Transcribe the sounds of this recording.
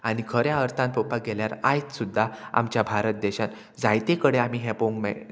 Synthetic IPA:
añikʰəɾjaəɾt̪ʰãnp̪opaɡeljaɾa̰jt͡ssud̪ʱːaa̰mt͡ɕjabʱaɾət̪̚d̪ɛɕãn | d͡zajt̪ekəɽeam̤iɦɛ̃poŋmɛ̰

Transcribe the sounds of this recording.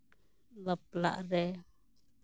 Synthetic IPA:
lɔp̚la̰ʔrɛ

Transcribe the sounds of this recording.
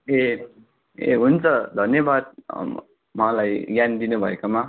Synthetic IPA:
e | ḛɦunt͡sʰʌd̪ʱʌnjebad̪̚ | mãlajɡjand̪inubʱʌekama

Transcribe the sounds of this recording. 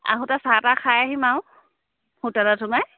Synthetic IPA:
a̰ɦũtasatakʰajaɦimaʊ̃ | hutalatʰʊma

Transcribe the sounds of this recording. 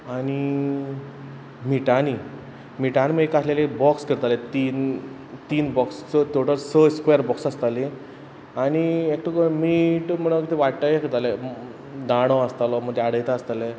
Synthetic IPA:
aɽ̃i | miʈani | miʈaniməekaslelebɔkskəɾt̪alet̪in | t̪iːnbɔkst͡sət̪oʈəsəskʋejəɾbɔksast̪ale | aɽ̃iek̚ʈʰəkəmiʈm̤əɽ̃əkit̪ʰeʋaʈʈajekəɾt̪ale | d̪aɽ̃ɔəst̪alɔm̤əd̪ʱeaɽəjt̪aast̪ale

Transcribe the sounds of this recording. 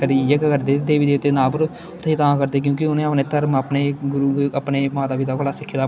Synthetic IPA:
kəɾijəkkəɾd̪eːd̪eːʋiːd̪eːʊt̪ːeːnaːp̬ʊɾ | t̪ʰːiːt̪aãːkəɾd̪eːk̬jõːkɪʊnẽːəpneːt̪əɾməpneːɡʊɾuːəpneːmãːt̪aːbit̪aːkʰolaːsɪkʰːeːd̪aː

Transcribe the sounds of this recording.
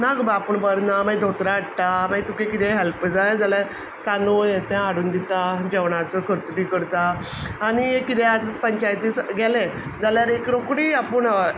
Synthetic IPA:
naɡbaːpəɳbəɾnamajd̪ʱot̪ɾaːʈʈ̪amat̪ukẽkit̪ɛ̃ɦɛlpd͡zajd͡zaljaɾ | t̪anojt̪ɛ̃aɽuːnd̪it̪ad͡ʑɛʋɳat͡səkʰəɾt͡siʈiːkəɾt̪aːɽ̃iekit̪ɛ̃at̪əspəɲt͡ɕajt̪iːsɡɛlɛ̃d͡zaljaɾekɾokɽiːapəɳ

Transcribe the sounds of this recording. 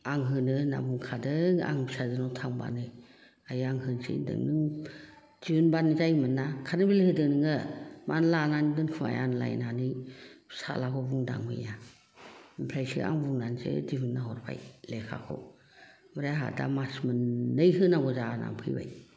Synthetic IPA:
aŋɦɯnɯna̰buŋkʰadɯŋa̰ŋbsadɯnɔwtʰaŋba̰nɯj | ajaŋɦɯnsḭndɯ̰ŋnɯŋ | dinbanizajmɯnːakʰanɯbilhɯdɯŋnɯŋɯmʔanlananidɯnkʰɯma̰janla̰jnanɯjsa̰lakʰɔbuŋda̰ŋmɯ̰ja | mpʰajsia̰ŋbuŋnansḛdibɯnːaɦɔɾpʰa̰jlekʰa̰kʰɔ̰ | mɯɾaaɦa̰da̰masmɯnːɯjɦɯnaɡɔzana̰ŋpʰɯjba̰j

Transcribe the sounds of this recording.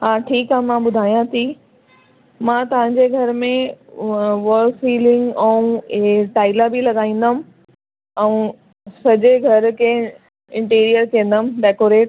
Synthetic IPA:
ɦaːʈʰiːkɦamãːɓʊd̪ʱaːijãt̪ʰi | mãːt̪ɐʋ̤ãɲd͡ʑeɡʱɐɾmẽ | ʋɔːlfiːlɪ̃ŋɡɛ̃ũʈaːɪlabilɐɠaːĩːn̆d̪əm̆ | ɛ̃ũ | sɐd͡ʑeɡʱɐɾkʰe | ɪ̃ɳʈiːɾijəɾkiẽnd̪əmɖɛːkoːɾeːʈ

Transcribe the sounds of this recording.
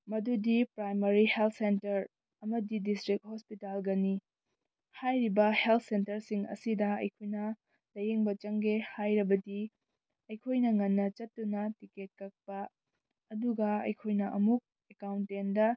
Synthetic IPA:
mɐdudipɾajmɐɾihelt̚ʰsentɐɾ | ɐmɐdidistɾik̚hospitalɡɐni | hajɾibɐhelt̚ʰsentɐɾsiŋɐ̰sidɐɐ̰jkʰojnɐ | lɐjeŋbɐt͡ʃɐŋɡehajɾɐbɐdi | ɐjkʰojnɐŋɐnːɐt͡ʃɐtːunɐtiket̚kɐk̚pɐː | duɡɐɐ̰jkʰojnɐʔɐ̰muk̚ | ekawntendɐ

